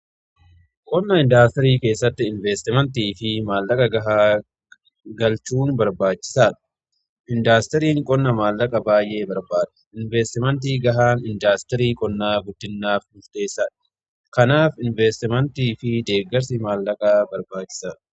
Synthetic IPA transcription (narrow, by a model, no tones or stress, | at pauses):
kʼɔnːɐɪnd̪aːst̪ɛɾiːke̞ːsːɐt̪ːɪɪnveːst̪ɪmɛnt̪iːfɪmaːlːɐkʼɐɡɐɦaː | ɡɐlt͡ʃuːnbɐɾbaːt͡ʃːɪ̥saːᶑɐ̥ | ʔɪnd̪aːst̪ɛɾiːŋkʼɔnːɐmaːlːɐkʼɐbaːjʔe̞ːbɐɾbaːd̪ɐ̥ɪnveːst̪ɪmɛnt̪̬iːɡɐɦaːnɪnd̪aːst̪ɛɾiːkʼɔnːaːɡʊd̪̥ːɪnːaːfnʊɾt̪e̞ːsːaːᶑɐ̥ | kɐnaːfɪnvɛst̪ɪmɛnt̪iːfɪd̪e̞ːɡɐɾsɪmaːlːɐkʼaːbɐɾbaːt͡ʃːɪ̥saːᶑɐ̥